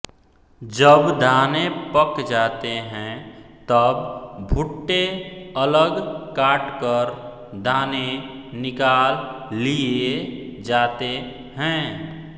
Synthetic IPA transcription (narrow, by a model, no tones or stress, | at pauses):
d͡ʒəbd̪ʱaːnepəkd͡ʒaːt̪eɦɛ̃t̪əbbʱʊʈːeələɡkaːʈkəɾ | d̪ʱaːnenɪkaːlːied͡ʒaːt̪e | ɦɛ̃